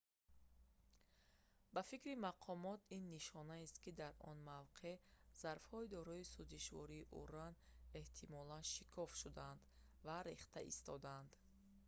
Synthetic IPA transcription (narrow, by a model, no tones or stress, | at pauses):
bafikɾimaqʰɔmɔt̪ʰinːiʃɔnaist̪kid̪aɾɔ̰nmavqʰe̞z̥aɾfhɔid̪ɔɾɔisuziʃvɔ̰ɾiːʔṵɾane̞ht̪ʰimɔlanʃikʰɔfʃud̪aand̪ | vaɾeχt̪ʰaʔḭst̪ʰɔd̪aand̪